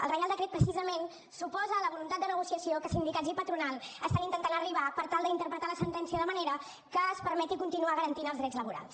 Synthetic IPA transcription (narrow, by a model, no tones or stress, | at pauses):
ə̰lrəjalˠd̪əkɾet̪̚pɾəsizəmen | supɔzəːləβulunt̪at̪̚d̪ənəɣusiəsiokəsind̪ikadzipət̪ɾunalˠəst̪anint̪ənt̪anəriβapəɾt̪alˠd̪int̪əɾpɾət̪aləsənt̪ɛnsiəðəməneɾə | kəːspəɾmɛt̪ikunt̪inuaɣəɾənt̪inəlzðɾɛd͡zləβuɾa̰lˠs